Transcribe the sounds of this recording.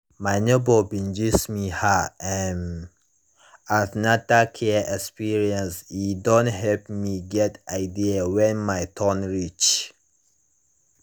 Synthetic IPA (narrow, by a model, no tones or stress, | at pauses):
maɪnobobĩnd͡ʒismihaɛn | avnatakʰɛɛkspiɹiɛ̃nsidɔ̃ntɦɛlpmiɡɛtaɪdiawɛ̃nmaɪtʰɔ̃nɹit͡ʃ